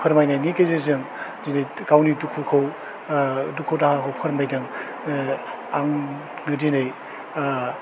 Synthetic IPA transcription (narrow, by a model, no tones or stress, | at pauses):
kʰɯɾmajnajnikejzezɯŋ | dinajkawnitukʰukʰɯw | dukʰowtahaɦʰowpʰɯɾmajdɯŋ | aŋ | ɡɯdinaj